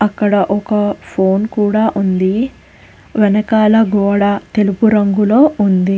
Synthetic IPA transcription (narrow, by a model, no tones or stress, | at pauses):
ɐkːɐɽɐʔɔkɐpʰo̞ːnkuːɽaːʔund̪i | ʋɛnɐkaːlɐɡɔːɽat̪elupuɾɐŋɡulo̞ːund̪i